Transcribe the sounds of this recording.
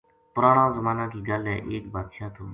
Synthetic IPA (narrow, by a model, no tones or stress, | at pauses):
pʊɾaːɳ̃ãːzəmaːnãːkiːɡaːlɛːʔeːkbʱaːd̪ʃãːt̪ʰoː